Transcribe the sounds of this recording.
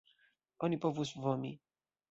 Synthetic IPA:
ɔnʲipɔvusvɔmʲi

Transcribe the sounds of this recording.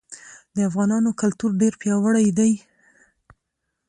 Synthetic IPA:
d̪əafɣɑnɑnokalt̪uɾɖeɾpjɑwəɽajd̪aj

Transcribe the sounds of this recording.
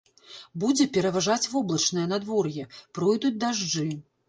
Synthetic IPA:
bud͡zʲɛpʲɛɾɐvaʐat͡sʲvɔblˠɐt͡ʂnɨjɛnad̪vɔrjɛpɾɔjd̪ut͡sʲd̪aʐd͡ʐɨ

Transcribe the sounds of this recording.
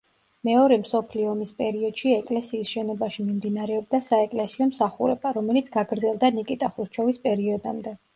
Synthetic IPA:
mɛɔɾɛmsɔpʰliɔmispʼɛɾiɔd̪̥ʃiɛkʼlɛsiːsʃɛnɔbaʃimimd̪inaɾɛɔb̚d̪asaɛkʼlɛsiɔmsaχuɾɛ̰baɾɔmɛlit̪sʰɡ̥aɡɾd̪zɛlˠd̪anikʼit̪ʼaχɾut͡ʃʰɔvispʼɛɾiɔd̪amd̪ɛ

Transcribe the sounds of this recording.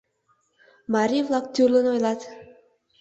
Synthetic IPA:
maɾivlˠak̚t̪ʲyɾlˠonojlˠɑt̪

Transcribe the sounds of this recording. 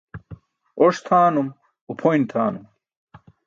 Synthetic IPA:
oʂt̪ʰaːnum | upʰojnt̪ʰaːnum

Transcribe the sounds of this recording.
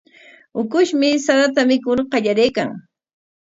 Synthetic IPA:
ʊkʊʃmɪsaðat̪amɪkʊɾqɑʎaɾejkaŋ

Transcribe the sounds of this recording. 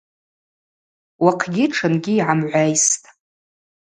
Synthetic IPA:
waqʰɡʲɪʈ͡ʂʰɨnɡʲɪːʕamʕʷajstʼ

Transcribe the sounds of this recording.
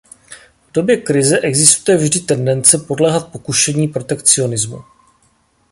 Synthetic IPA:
vdo̞bjɛkɾɪzɛʔɛɡzɪst̪ujɛvʒdɪt̪ɛndɛnt͡sɛpo̞dlɛːɦat̪̚po̞kuʃɛɲiːpɾo̞t̪ɛkt͡sɪo̞nɪzmṵ

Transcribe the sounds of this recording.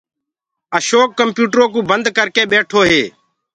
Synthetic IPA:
əʃoːkːəmpjuːʈɾoːkũːbənd̪kəɾkeːɓeːʈʰoːɦeː

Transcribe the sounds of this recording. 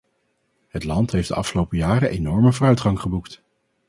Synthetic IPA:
ɦətlɑntɦejfdəʔɑ̰fχəlowpəjaːrəʔejnɔɹməvʊːrœɥtχɑŋχəbukt

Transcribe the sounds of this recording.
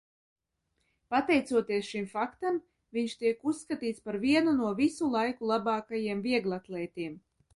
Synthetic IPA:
pat̪ɛjt̪suɔt̪iɛsʃimfakt̪am | viɲʃt̪iɛkusːkat̪iːt̪spaɾviɛnunuɔvisulˠajkulˠabɑːkajiɛmviɛɡlˠat̪lˠɛːt̪ʲiɛm

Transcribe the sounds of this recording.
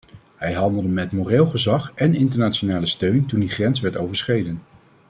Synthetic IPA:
ɦɛjɦɑndəlˠdəmɛtmorelˠχəzɑχɛnɪntəɹnaːt͡ʃonaːləstøɥntundiχrɛns̬ʋɛɹtowvəɹsχejdən

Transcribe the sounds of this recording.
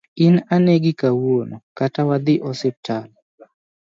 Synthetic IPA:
ɪnanɛɡɪkawonokatawad̪ɪʔɔsɪp̚tʰal

